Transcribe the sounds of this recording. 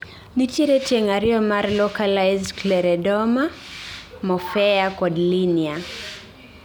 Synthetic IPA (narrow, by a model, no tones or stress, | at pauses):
nit͡ʃiɾɛtɛŋaɾiɔmaɾlɔkalajzklɛɾɛdɔma | mɔfɛakɔdlinia